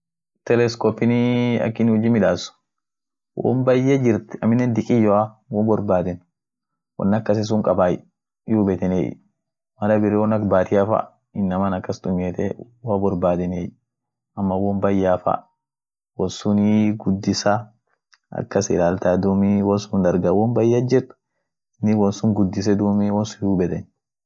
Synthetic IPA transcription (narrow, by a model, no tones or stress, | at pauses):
t̪ɛlɛskɔːpːɪniɐ̰kːɪnhɔd͡ʒiːmɪᶑaːsʊ̥ | wʔɔ̰ːmbɐjːed͡ʒɪɾt̪ɛɐmɪnɛnd̪ɪkʼɪjːɔawɔbɔɾbaːd̪ɛn | wɔ̰nːɐkːɐs̬ɪs̬ʊŋkʼɐbaːj̰ | juːbɛt̪ɛnḛːj̰ | mɐlɐbɪɾɛwɔnɐkbaːt̪ʰɪafɐ̰ | ɪnːɐmɐnɐkːɐst̪ʊmjeːt̪ɛ | wabɔɾbaːd̪ɛnej | ɐmːɐwɔmbɐjːaːfɐ̰ | wɔnsʊniɡʊd̪ːɪsa | ɐ̰kːɐsɪlaːlt̪ad̪umiwɔnsʊnd̪ɐɾɡɐwɔmbɐjːad͡ʒɛt̪ːʊ̥ | ɪnːɪwɔnsʊŋɡʊd̪ːɪs̬ɛd̪uːmiwɔnsʊnjuːbɛt̪ɛn